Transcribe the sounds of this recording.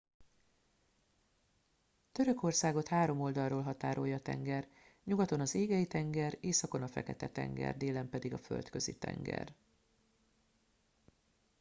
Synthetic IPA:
t̪ø̞ɾø̞ko̞rsaːɡo̞t̪haːɾo̞mo̞ld̪ɒrːoːlɦɒt̪aːɾo̞jːɒːt̪ɛ̰ŋɡɛr | ɲuɡɒt̪o̞nɒzeːɡɛit̪ɛŋɡɛreːsɒko̞nɒfɛ̰kɛt̪ɛt̪ɛ̰ŋɡɛ̰rd̪eːlɛmpɛd̪iɡɒfø̰lt̪kø̞zḭt̪ɛ̰ŋɡɛ̰r

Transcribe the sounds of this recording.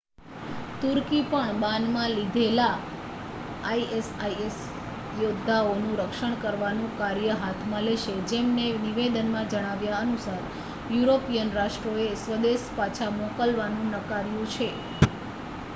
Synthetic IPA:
t̪uɾkipəɳbãnd̪mãlid̪ʱela | aiesajes | jod̪ʱːaonũɾəkʃəɳ̃kəɾʋanũkaɾjəɦat̪ʰmãleʃed͡ʒemneniʋed̪ənmãd͡ʒəɽ̃aʋjaənusaɾ | juɾopijənɾaʂʈɾoesʋəd̪espat͡ʃʰamokəlʋanũnəkaɾjũt͡ʃʰe

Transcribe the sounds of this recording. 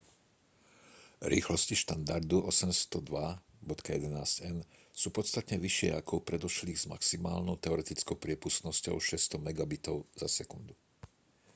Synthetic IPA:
ɾḭːxlɔsciʃt̪and̪aɾd̪uʔɔsɛmst̪ɔd̪ʋabɔt̪kajɛd̪ɛnaːscɛnsuːpɔt̪st̪at̪ɲɛʋiʃɪɛ̰akɔʊpɾɛd̪ɔʃliːɣz̥ma̰ksimaːlnɔʊt̪ɛɔɾɛt̪it͡skɔʊpɾɪɛpust̪nɔscɔ̰ʊʃɛst̪ɔmɛɡabit̪ɔʊz̥asɛkund̪u

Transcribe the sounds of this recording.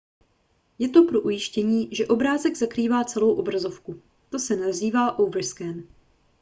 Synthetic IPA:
jɛt̪o̞pɾo̞ʔujɪʃcɛɲiːʒɛʔo̞bɾaːzɛɡzakɾiːvaːt͡sɛlo̞wʔo̞bɾazo̞fku | t̪o̞sɛnaziːvaːʔowvr̩skɛn

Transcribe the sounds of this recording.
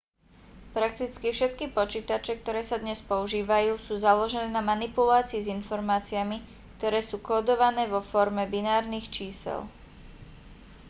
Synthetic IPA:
pɾakt̪it͡skifʃɛt̪kipɔt͡ʃiːt̪at͡ʃɛk̚t̪ɔɾɛːsad̪ɲɛspɔuʒiːʋajuːsuːzalɔʒɛnɛːnamanipulaːt͡siːzinfɔɾmaːt͡siami | k̚t̪ɔɾɛːsuːkɔːd̪ɔʋanɛːʋɔfɔɾmɛbinaːɾnixt͡ʃiːsɛ̰lˠ

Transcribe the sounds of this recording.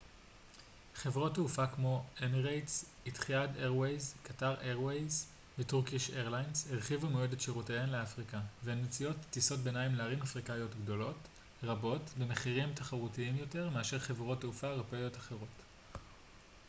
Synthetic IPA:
χevʁo̞tːeufakmo̞emiʁejts | itχijadeʁwejzkataʁeʁwejz | vetuʁkiʃeʁlajnsheʁχivamoedetʃeʁotejenleafʁikaveenet͡sijo̞tːiso̞t̚benaimleaʁimafʁikajo̞tɡdo̞lo̞t | ʁabo̞tbe̞meχiʁimtaχaʁutiimjo̞te̞ʁme̞aʃe̞ʁχe̞vʁo̞tːeufaʁopejo̞taχe̞ʁo̞t

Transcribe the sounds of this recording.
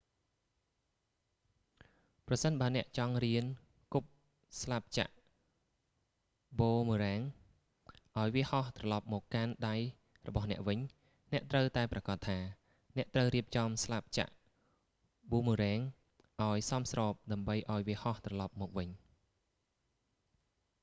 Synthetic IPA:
prɑsənɓaənɛ̆əʔt͡ɕɑŋriən | kup̚ | slap̚t͡ɕa̰ʔ | ɓoːmuːɾɛːŋ | ʔaɔjʋiəhɑht̪rɑlɑp̚mɔːkːanɗaj | rɔ̰ɓɑhnɛ̆əʔʋɨɲ | nɛ̆əʔt̪rəwt̪aɛprɑkɑt̪ʰːaː | nɛ̆əʔt̪rəwriəp̚t͡ɕɑmslap̚t͡ɕa̰ʔ | ɓuːmuɾɛːŋ | ʔaɔjsɑmsrɑːp̚ɗaəmɓəjʔaɔjʋiəhɑht̪rɑlɑp̚mɔːk̚ʋɨɲ

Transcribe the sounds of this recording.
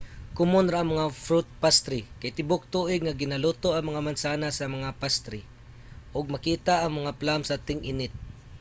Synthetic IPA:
kʊmʊnɾaaŋmɐŋafɾut̪̚past̪ɾikajt̪ɪbʊk̚t̪uʔɪɡ̚ŋaɡɪnalʊt̪oʔɐŋmɐŋamansanasɐmɐŋapast̪ɾi | ʔʊɡ̚mɐkiːt̪aʔaŋmɐŋaplamsat̪ɪŋʔɪnɪt̪̚

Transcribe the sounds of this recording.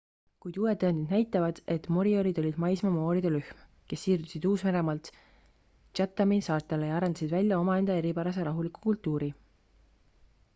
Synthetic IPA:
kujd̪uwe̞t̪ːɑnd̪id̪næjt̪ːˑɑvɑd̪̥e̞t̪mo̞ɾioɾid̪o̞lʲid̪̥mɑjsmɑmo̞ːɾid̪̥elyhm | ke̞sːiːrd̪̥usʲid̪uːsme̞ɾe̞mɑlt̪ | t͡ʃɑt̪ːˑɑmisɑːrt̪ːˑelejɑɑɾend̪ɑsid̪vælʲjɑo̞mɑe̞nd̪̥ɑe̞ɾipæɾɑse̞ɾɑɦuliku̥kult̪ːˑuːɾi

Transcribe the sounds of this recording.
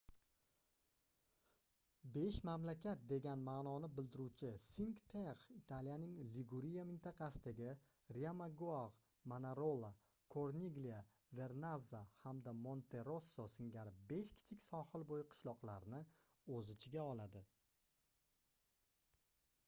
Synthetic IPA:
be̞ʃmamlakʲʰat̪̚d̪e̞ɡʲanmaːnɒnɪbɪld̪ɪɾut͡ʃʰɪsiŋkt̪ʰeʁit̪ʰalijanɪŋliɡuɾijamɪnt̪ʰɑqʰɑsɪd̪aɡʲɪ | ɾiamaɡuaʁ | manaɾolˠa | kʰoɾnʲiɡlija | ve̞ɾnazːahamd̪amo̞nt̪ʰe̞ɾo̞sːosɪŋɡʲaɾɪbe̞ʃkʲʰɪ̥t͡ʃʰɪkʲsɒhɨlˠbojɪqʰɨ̥ʃlˠɒqlˠaɾnɪ | ɵzɪt͡ʃʰɪɡʲaɒlˠad̪ɪ

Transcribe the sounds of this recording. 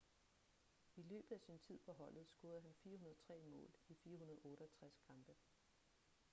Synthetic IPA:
ilø̰ːb̥ð̩ˠæsint͡sʰið̰ˠpʰɒ̽ɦɒ̽l̰ð̞̩ˠsɡ̥oɐð̩ˠɦænfiːɐhunɐðˠt͡sʰʁɛ̰ːmɔ̰̽ːlifiːɐɦunɐðˠɔ̽ːɾəɒt͡sʰʁaskʰɑ̈mb̥ə

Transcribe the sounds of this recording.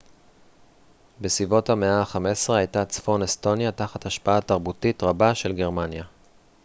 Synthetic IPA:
besibo̞thameaχamesʁeajtat͡sfo̞nesto̞njataχataʃpaataʁbutitʁabaʃe̞lɡe̞ʁmanja

